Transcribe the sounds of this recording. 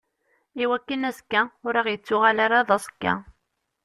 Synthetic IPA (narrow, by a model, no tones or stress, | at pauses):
iwækːənæskːæʊɾiʁjət͡sːʊʁalaɾaðˤɑskːæ̰